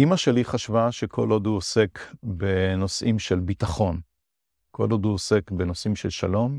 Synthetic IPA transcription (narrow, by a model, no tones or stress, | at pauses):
imaʃe̞liχaʃvaʃe̞kʰo̞loduose̞kbeno̞sʔimʃelbitaχo̞n | ko̞̰lod̪uose̞kbenosʔimʃelʃalo̞m